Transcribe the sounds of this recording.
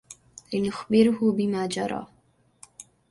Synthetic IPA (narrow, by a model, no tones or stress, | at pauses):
lɪnʊxbɪɾʊhʊbɪmaːd͡ʒɑ̰ɾˤɑ̰ː